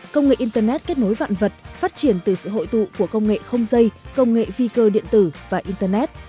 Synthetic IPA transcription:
kə˧wŋ͡mŋḛ˧˨ʔi˧nt̪əː˧nɛ˦˥t̚ke˦˥t̚no˨˦jva̰ː˧˨nvə˨˩t̚faː˦˥t̚t͡ɕi˧˩ənt̪ɨ˨˩sɨ̰˧˨ɦo̰˧˨jt̪ṵ˧˨ku˧˩əkə˧wŋ͡mŋḛ˧˨xə˧wŋ͡mzə˧jkə˧wŋ͡mŋḛ˧˨vi˧kəː˧ɗḭ˧˨ənt̪ɨ˧˩vaː˨˩ʔi˧nt̪əː˧nɛ˦˥t̚

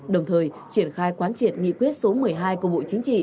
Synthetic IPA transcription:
ɗə˨˩wŋ͡mt̪ʰəː˨˩jt͡ɕi˧˩ənxaː˧jkwaː˨˦nt͡ɕi˧˩ət̚ŋḭ˧˨kwi˦˥ət̚so˨˦mɨ˨˩əjɦaː˧jku˧˩əɓo̰˧˨t͡ɕï˨˦ŋt͡ɕḭ˧˨

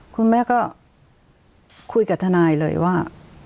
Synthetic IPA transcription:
kʰu˧nmɛː˥˩kɔː˥˩ | kʰu˧jka˨˩t̪ʰa˧naː˧jlɤ̰ː˧jwaː˥˩

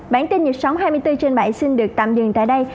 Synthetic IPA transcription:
ɓaː˧˩nt̪i˧nɲi˨˩t̚sə˨˦wɦaː˧jmɨ˧əjt̪ɨ˧t͡ɕe˧nɓə̰˧˩jsi˧nɗɨ˨˩ək̚t̪a̰ː˧˨mzɨ̰˧˨ŋt̪a̰ː˧˨jɗə˧j

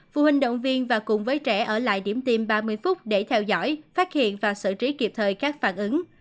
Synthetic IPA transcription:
vṵ˧˨hï˨˩ŋ̟ɗə̰˧˨wŋ͡mvi˧ənvaː˨˩kʊ˨˩ŋ͡mvəː˨˦jt͡ɕɛ˧˩ʔəː˧˩la̰ː˧˨jɗi˧˩əmt̪i˧mɓaː˧mɨ˧əjfʊ˦˥k͡p̚ɗe˧˩t̪ʰɛ˧wzɔ̰˧˥˨jfaː˦˥t̚hḭ˧˨ənvaː˨˩sɨ̰˧˨t͡ɕi˨˦ki˨˩əp̚t̪ʰəː˨˩jkaː˦˥k̚faː˧˩nʔɨ˨˦ŋ

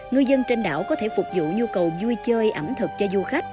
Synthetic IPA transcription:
ŋɨ˧jzə˧nt͡ɕe˧nɗa̰ː˧˨wkɔ˨˦t̪ʰe˧˩fʊ˨˩k͡p̚zṵ˧˨ɲu˧kə˨˩wzu˧jt͡ɕəː˧jʔə˧˩mt̪ʰɨ˨˩k̚t͡ɕɔ˧zu˧xa˦˥k̚

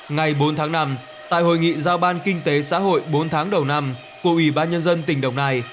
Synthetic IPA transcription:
ŋa˨˩jɓo˨˦nt̪ʰaː˨˦ŋna˧m | t̪a̰ː˧˨jho̰˧˨jŋḭ˧˨zaː˧wɓaː˧nkï˧ŋ̟t̪e˨˦sa̰ː˧˥ɦho̰˧˨jɓo˨˦nt̪ʰaː˨˦ŋɗə˨˩wna˧m | ku˧˩əʔwi˧˩ɓaː˧nɲə˧nzə˧nt̪̬ï˨˩ŋ̟ɗə˨˩wŋ͡mnaː˧˩j

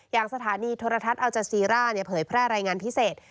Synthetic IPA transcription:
jaː˨˩ŋsa˧t̪ʰaː˩˦niː˧t̪ʰoː˧ɾa˧t̪ʰa˦˥t̪̚ʔa˧wt͡ɕa˨˧˩siː˧ɾaː˥˩ni˥˩ɐpʰɤː˩˦jpʰɾɛː˥˩ɾaː˧jŋaː˧npʰi˦˥seː˨˩t̪̚

